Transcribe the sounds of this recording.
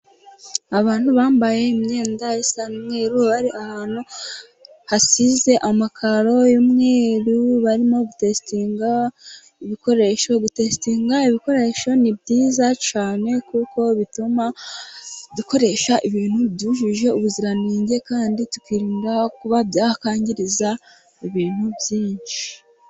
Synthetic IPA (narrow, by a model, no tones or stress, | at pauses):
aβaːn̥huβaːmbaje̞imɲe̞ːndajesanumŋe̞ːɾuβaɾiʔahaːn̥u | hasize̞ʔamakʰaɾo̞jomŋeːɾuβaɾimo̞ɡutestiːŋɡa | iβiko̞ɾe̞ʃo̞ɡute̞stiːŋɡaiβiko̞ɾe̞ːʃo̞nibɟiːzat͡ʃaːne̞kuːko̞βituma | duko̞ɾe̞ʃaʔiβiːn̥hubduʒiʒe̞uβuziɾaniːɲɟe̞kaːnditu̥kwiɾiːŋɡakuβabjaːhakaːɲɟiɾiza | iβiːn̥hubjiːɲʃi̥